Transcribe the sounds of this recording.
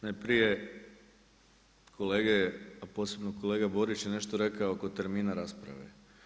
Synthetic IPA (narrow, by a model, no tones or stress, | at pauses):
najpɾije | kʰo̞leːɡeapo̞se̞bnoko̞le̞ːɡabo̞ɾit͡ʃjene̞ʃt̪oɾe̞kaooko̞t̪e̞ɾmiːnaɾaːspɾa̰ʋḛ